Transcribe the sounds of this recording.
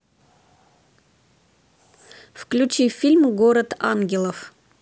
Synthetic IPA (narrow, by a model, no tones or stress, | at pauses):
fklʲut͡ɕifʲilʲmɡoɾət̪a̰nɡʲɪlˠəf